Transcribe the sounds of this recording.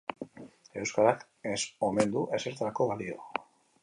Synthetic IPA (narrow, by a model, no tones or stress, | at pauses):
e̞wskaɾak | eso̞me̞nd̪uʔe̞se̞ɾt̪aɾako̞βalio̞̰